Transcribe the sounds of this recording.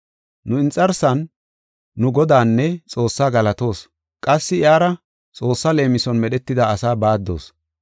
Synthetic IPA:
nʊɪnt͡sʼːɐɾsɐnː | ʊɡɔd̪aːnːɛt͡sʼo̞ːsːaːɡɐlɐt̪o̞ːs | kʼɐsːɪjaːɾɐ | t͡sʼo̞ːsːɐle̞ːmɪsɔnmɛɗɛt̪ːɪd̪aɐsaːbaːd̪ːo̞̰ːs

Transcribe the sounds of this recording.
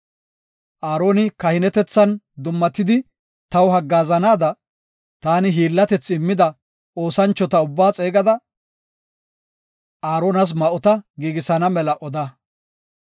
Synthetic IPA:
ʔaːɾo̞ːnɪkɐhɪnɛt̪ɛt͡sːɐn | d̪ʊmːɐt̪ːɪd̪ɪ | t̪ɐwɦɐɡːaːzɐnaːd̪ɐ | t̪aːnɪɦiːlːɐt̪ɛt͡sːɪmːɪd̪ɐ | o̞ːsɐnt͡ʃːɔt̪ɐʊbːaːt͡sʼe̞ːɡɐd̪ɐ | aːɾoːnɐs̬mɐʔɔt̪ɐɡiːɡɪsɐnɐmɛlɐʔɔd̪ɐ

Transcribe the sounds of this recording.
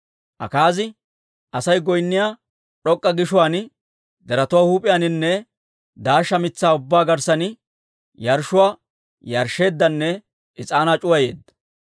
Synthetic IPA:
ʔɐ̰kaːzɪ | ʔɐsɐjɡɔjnːɪjaː | ᶑɔkʼːɐɡɪʃʊwaːnɪ | d̪ɛɾɐt̪ʊwaːhuːpʼɪjanɪnːɛ | d̪aːʃːɐmɪt͡sːaːʊbːaːɡɐɾsɐnɪ | jɐɾʃʊwaː | jɐɾʃe̞ːd̪ːɐnːɛ | ʔɪt͡sʼaːnat͡ʃʼʊwɐje̞̰ːd̪ːɐ̥

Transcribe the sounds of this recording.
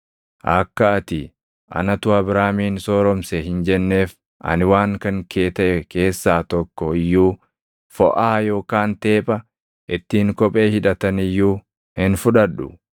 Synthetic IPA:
ʔɐkːɐɐt̪ɪ | ʔɐ̰nɐt̪ʊɐbɾaːmiːnsɔːɾɔmseɦɪnd͡ʒɛnːe̞ːf | ʔɐ̰nɪwaːŋkɐŋkʰeːt̪ɐʔɛke̞ːsːaːt̪ɔkːɔɪjːuː | fɔ̰ʔaːjo̞ːkaːnt̪eːpʼɐ | ʔɪt̪ːiːŋkɔpʼe̞ːhɪᶑɐt̪ɐnɪjːuː | hɪnfʊᶑɐᶑʊ

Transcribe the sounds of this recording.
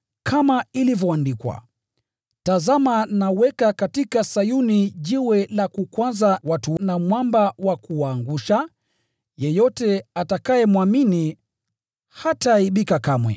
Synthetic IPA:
kʰamailivjɔandikwa̰ | tazamanawɛkakatikasajuniʄiwɛlakukwazawatunamwambawakuwaːŋɡuʃa | jɛjɔtɛatakajɛmwamini | hataiɓikakamwɛ̰

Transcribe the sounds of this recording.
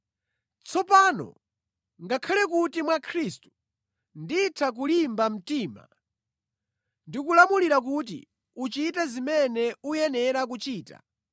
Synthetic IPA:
t͡sʰɔpaːnɔ̰ | ŋɡakʰalɛk̬utimwakʰɾistu̥ | nditʰak̬ulimbam̩tiːma̰ | ndikulamuliɾak̬ut̬ḭ | ut͡ʃitɛzimɛnɛujɛnɛɾak̬ut͡ʃiːta̰

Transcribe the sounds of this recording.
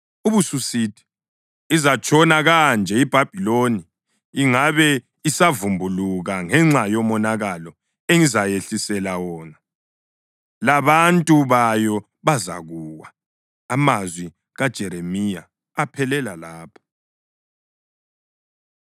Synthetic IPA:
uβususidʰʱʼi̥ː | zat͡ʃʼʰɔnaɣand͡ʒʱɛib̥ʱab̥ʱiloniː | ŋaβɛ | isavumbʱuluɣaŋɛŋ͡ǁajɔmɔnaɣalɔ | eŋizajeɬisɛlawɔːna | laβantʼuβajɔ | βaza̰ɣuːwaː | mazwi | ɣad̥ʒ̥ʱɛɾemija̰ː | pʰɛlɛlalaːpʰḁ

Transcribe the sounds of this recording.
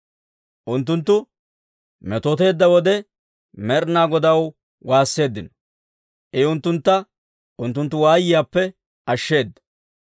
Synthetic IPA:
ʔʊnt̪ːʊnt̪ːʊ | mɛt̪ɔt̪e̞ːd̪ːɐwɔd̪ɛ | mɛɾnaːɡɔd̪ɐw | waːsːe̞ːd̪ːɪnɔ | ʔɛʊnt̪ːʊnt̪ːɐ | ʔʊnt̪ːʊnt̪ːʊwaːjɪjaːpːɛ | ɐʃːe̞ːd̪ːɐ̥

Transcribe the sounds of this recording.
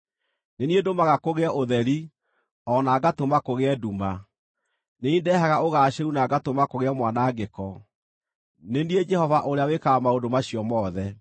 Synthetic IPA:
neniedomaɣakoɣeaʔoðɛɾi | ɔnaːɡatomakoɣeɛduma | neindɛɦaɣaoɣaːʃeunaɡatomakoɣeɛmwanaːɡekɔ | nenied͡ʒɛhɔvaʔoɾeawekamaodomaɕijɔmɔːðɛ

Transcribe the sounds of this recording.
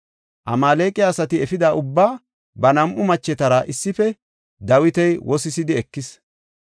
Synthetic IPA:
ʔɐmaːleːkʼɪjaːsɐt̪ɪɛfɪd̪aːʔʊbːaː | bɐnɐmʔʊmɐt͡ʃːɛt̪ɐɾɐʔɪsːɪfɛ | d̪ɐwɪt̪ɛjwʔɔsɪsɪd̪ɪɛkːɪs

